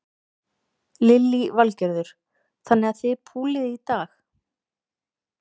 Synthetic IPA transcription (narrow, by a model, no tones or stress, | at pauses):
lɪlːivalcɛɾðʏɾ̥ | θanːɛɣaðθɪpʰuːlɪðit̪aːx